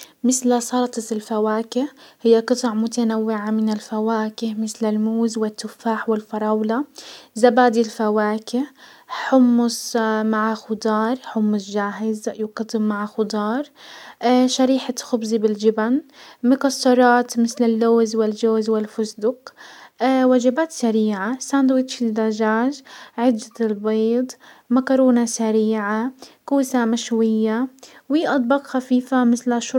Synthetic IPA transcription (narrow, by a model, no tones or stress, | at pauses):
mɪθlsˤɑɾˤt̪ˤɑt̪ɪlfawaːkɪhhɪjːaqɨt̪ˤɑʕmʊt̪anawːɪʕamɪnɪlfawaːkɪhmɪθlɪlmuːzwɪt̪ːʊfːaːħwɪlfɑɾˤɑwlazabaːd̪ilfawaːkɪh | ħʊmːʊsmaʕaxʊd̪ˤɑːɾˤħʊmːʊsʒaːɦɪzjʊkɑt̪ˤːɪmːaʕaxʊd̪ˤɑːɾˤ | ʃaɾiːħaxʊbzibɪld͡ʒɪbanmɪkɑsˤːɑɾˤɑːt̪mɪθlɪlːoːzwɪlʒoːzwɪlfʊsd̪ʊqː | waʒabaːt̪saɾiːʕasand̪wɪt̪ʃɪld̪aʒaːʒʕɪd̪ːat̪ɪlbeːd̪ˤmakɑɾuːnasaɾiːʕakuːsamaʃwɪjːawiːʔɑd̪ˤbɑqxafiːfamɪθlaʃʊ